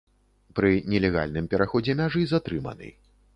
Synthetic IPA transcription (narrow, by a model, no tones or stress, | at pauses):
pɾɨnʲɛlʲɛɣa̰lʲnɨmpʲɛɾaxɔd͡zʲɛmʲaʐɨzat̪ɾɨmɐ̰nɨ̰j